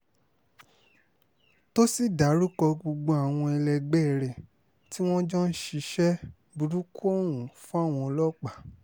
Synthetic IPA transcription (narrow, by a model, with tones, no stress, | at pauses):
to˦si˦˨da˨˦ɾu˦kɔ˧ɡ͡bo˧ɡ͡bo˧a˨w̃ɔ̃˧ɛ˧lɛ˧ɡ͡bɛ˦˧˨ɾɛ˨ | ti˦w̃ɔ̃˦d͡ʒɔ̃˦n̩˦ʃi˧˦ʃɛ˦ | bu˧ɾu˦ku˦ɔ˦˨wũ˨fũ˦a˦˨w̃ɔ̃˧ɔ˧lɔ˦k͡pa˨